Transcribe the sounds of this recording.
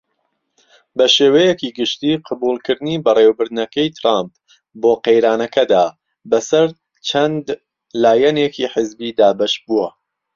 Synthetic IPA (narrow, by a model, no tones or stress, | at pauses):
bɐʃeːwɐjekiːɡɨʃt̪iːqʰɑbuːlˠkɨɾd̪ɨniːbɐreːwbɨɾd̪nɐkɐjt̪ʰɾamp̚ | boːqejɾaːnɐkɐd̪aː | bɐsɐɾ | t͡ʃʰɐnd̪ | laːjɐɛneːkiħɪzbiːd̪aːbɐʃbuwɐ